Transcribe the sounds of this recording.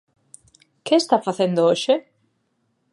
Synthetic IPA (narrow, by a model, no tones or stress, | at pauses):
kest̪afaθend̪ooʃe